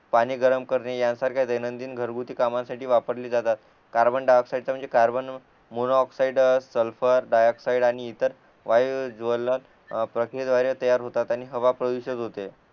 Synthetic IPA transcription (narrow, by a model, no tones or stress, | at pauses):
paɽ̃iːɡəɾəmkəɾnejansaɾkʰʲajd̪əjnənd̪iːnɡʱəɾɡut̪iːkamãsaʈiːʋapəɾliːd͡zat̪at̪ | kaɾbəɳɖajɔksaiɖt͡sam̤əɳd͡zekaɾbən | monɔksaiɖsəlfəɾɖajɔksaiɖaɽ̃iːt̪əɾ | ʋajʋd͡zʋəlːa | pɾəkɾiəd̪ʋaɾjət̪əjaɾɦot̪at̪añiɦəʋapɾəʋiɕəd̪ɦot̪e